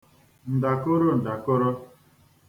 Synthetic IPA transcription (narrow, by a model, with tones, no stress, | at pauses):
n̩˨da˨ko˦ɾo˦n̩˨da˨ko˦ɾo˦